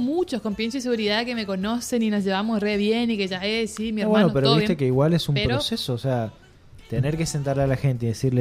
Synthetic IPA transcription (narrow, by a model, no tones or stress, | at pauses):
mut͡ʃosko̞mpjens̬ois̬eɣuɾiðakemeko̞noseninosʒeβamosreβjenikeʒaesimjβwenopeɾoit̪ekeiɣwalesumppɾosesoːsea | t̪eneɾkesent̪aɾlealaxent̪̬eiðesiɾle